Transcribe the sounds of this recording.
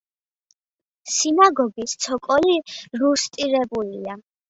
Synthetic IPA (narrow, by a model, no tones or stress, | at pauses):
sinaɡɔɡist̪sʰɔkʼɔliɾust̪ʼiɾɛbulia